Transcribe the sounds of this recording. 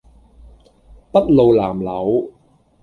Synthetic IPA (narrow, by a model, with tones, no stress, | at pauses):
pɐ˥t̚lo˨˧wlaː˨˩mlɐ˨˥w